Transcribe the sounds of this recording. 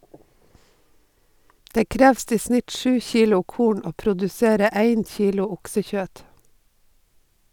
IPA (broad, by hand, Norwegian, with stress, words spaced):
ˈdeː ˈkɾɛʋst ˈiː ˈsnɪt ˈʃʉː ˈçiːlʊ ˈkuːɳ ˈoː pɾʊdʉˈseːɾə ˈæɪn ˈçiːlʊ ˈʊksəˌçøːt